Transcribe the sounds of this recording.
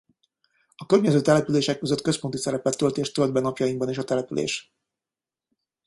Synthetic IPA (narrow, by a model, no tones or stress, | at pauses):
ɒkørɲɛzøːt̪ɛlɛpyleːʃɛkːøzøt̪ːkø̞spo̞nt̪isɛɾɛpɛt̪ːø̞lt̪eːʃt̪øld̪̚bɛnɒpjɒjimbɒneːʃɒt̪ɛlɛpylʔḛːʃ